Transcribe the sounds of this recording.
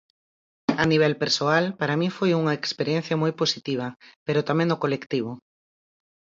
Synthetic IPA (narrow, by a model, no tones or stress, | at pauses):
aniβ̞ɛlpeɾsoalpaɾamĩfojuŋɐekspeɾjɛ̃n̟θjɐmojposit̪iβ̞ɐpeɾot̪amɛ̃ŋʊkolekt̪iβ̞o